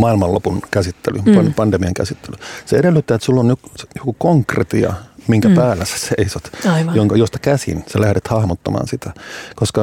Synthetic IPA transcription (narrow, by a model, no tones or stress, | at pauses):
mɑilmɑlopunkæsit̪ːelypɑnpɑnd̥̪emiɑŋkæ̰sit̪ːelyseeɾelːyt̪ːæet̪sulːonjosejokukoŋkrḛt̪iɑ̰miŋkæpæːlːæse̥seisot̪ɑijoŋkɑjost̪ɑ̥kæsḭnselæhɾet̪hɑhmot̪ːɑmɑ̰ːnsit̪ækoskɑ